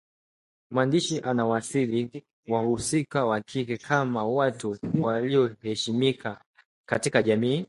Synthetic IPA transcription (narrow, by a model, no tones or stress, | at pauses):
mwandiʃiʔanawasiɾi | wahusikawakʰikɛkʰamawatuwaliɔhɛʃimika | katikaʄamiː